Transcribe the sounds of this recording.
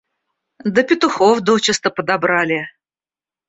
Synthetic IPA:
d̪əpʲɪt̪ʊxofd̪ot͡ɕɪst̪əpəd̪abɾalʲɪ

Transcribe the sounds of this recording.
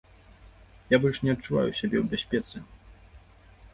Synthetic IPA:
jabɔlʲʂnʲɛɐt̚t͡ʂːuva̰juɕabʲɛwbʲasʲpʲɛt̪sɨ

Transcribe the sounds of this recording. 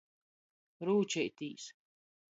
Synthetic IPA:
ɾuːt͡ʃɛjt̪iːs

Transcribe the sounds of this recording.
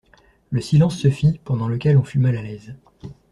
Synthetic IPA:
ləsilɑ̃sːəfipɑ̃d̪ɑ̃ləkʲɛlɔ̃fymalalɛz

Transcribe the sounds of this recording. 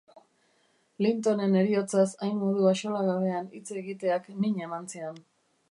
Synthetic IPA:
lint̪o̞ne̞ne̞ɾio̞t͡sasajnmo̞ðuaʃo̞laɣaβe̞anit͡seɣit̪e̞akniɲemant͡sian

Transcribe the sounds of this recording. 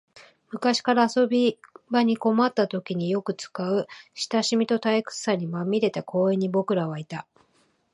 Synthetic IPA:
mɯ̟kaɕi̥kaɾaːso̞bʲibaɲ̟iko̞mat̪ːat̪o̞kʲiɲ̟ijo̞kɯ̟t͡sɨ̥kaɯ̟ɕi̥t̪aɕimʲit̪o̞t̪aikɯ̥saɲ̟imamʲiɾe̞t̪akʰo̞ːẽ̞ɲ̟ːibo̞kɯ̟ɾaβait̪a

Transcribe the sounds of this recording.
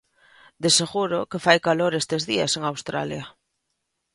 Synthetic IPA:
d̪eseɣuɾokefajkaloɾest̪ezðiaseŋawst̪ɾa̰lja

